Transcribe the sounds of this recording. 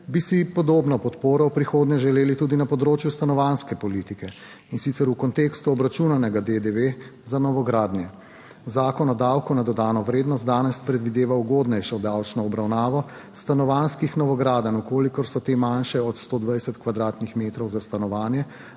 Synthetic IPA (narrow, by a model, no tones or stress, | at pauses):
bisipɔd̪oːbnɔpɔt̪poːɾɔwpɾixoːd̪nɲɛʒɛleːlit̪uːd̪inapɔd̪ɾoːt͡ʃjust̪anɔʋanskɛpɔlit̪ikɛ | insit̪sɛɾukɔnt̪eːkst̪uɔbɾat͡ʃunanɛɡad̪ed̪eʋezanɔʋɔɡɾaːd̪njɛ | zaːkɔnɔd̪awkunad̪ɔd̪aːnɔʋɾeːd̪nɔst̪d̪aːnɛspɾɛd̪ʋid̪eːʋauɡoːd̪nɛjʃɔd̪awt͡ʃnɔːbɾawnaːʋɔ | st̪anɔʋanskixnɔʋɔɡɾaːd̪anukoːlikɔɾsɔt̪emanʃɛɔt̪st̪oːd̪ʋajsɛt̪kʋad̪ɾaːt̪nixmeːt̪ɾɔwzast̪anɔʋaːnjɛ